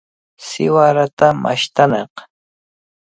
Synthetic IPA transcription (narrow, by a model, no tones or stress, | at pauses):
sɪwaɾat̪amʔa̰ʃt̪aneq